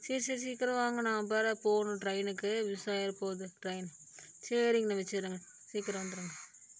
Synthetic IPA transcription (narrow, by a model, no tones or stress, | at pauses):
siːsisiːkːɪɾɐʋaːŋɡɐnãːpeːɾɐpoːɣnũʈɾɐɪnɯkːɯʋɪsaːjɐɾpoːðɯʈɾɐɪn | t͡ʃeːɾɪŋɡnɐmɛt͡ʃːɯɾɯŋɡɐ | siːkːɪɾɐʋɐnd̪ɯɾɯːŋɡɐ